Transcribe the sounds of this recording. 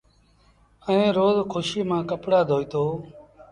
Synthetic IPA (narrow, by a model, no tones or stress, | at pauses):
əẽːɾoːzkʰʊʃiːmãːkəpɽaːd̪ʱoːiːt̪oː